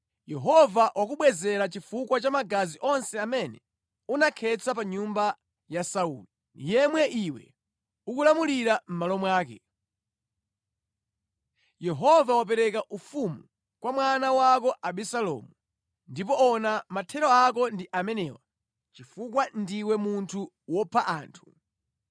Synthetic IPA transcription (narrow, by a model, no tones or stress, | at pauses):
jɛɦɔvawʔakuɓwɛzɛɾat͡ʃifukwat͡ʃamaɡaziʔɔnsɛamɛnɛ | unakʰɛt͡sʰap̬aɲumba | jasaṵːli | nḭjɛmwɛʔiwɛ̰ | ukulamuliɾam̩malɔmwaːkɛ̰ | jɛɦɔvawapɛɾɛkaʔufumu | kwamwanawak̬ɔʔaɓɛsalɔ̰ːmu | ndipɔɔnamatʰɛɾɔak̬ɔndiʔamɛnɛwa | t͡ʃifukwandiwɛmuntʰu | wɔpʰaʔaːntʰu̥